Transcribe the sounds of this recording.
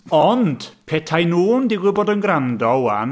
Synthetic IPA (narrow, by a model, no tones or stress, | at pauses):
ɔnd̥pʰɛtʰajnuːndɪɡwɪboːdənɡrandɔwan